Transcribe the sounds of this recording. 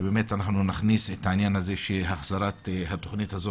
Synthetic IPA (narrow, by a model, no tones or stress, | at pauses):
beme̞t̪anaχnunaχniset̪hainjanaze̞ʃeɦaχz̥aɾat̪hat̪o̞χnithazo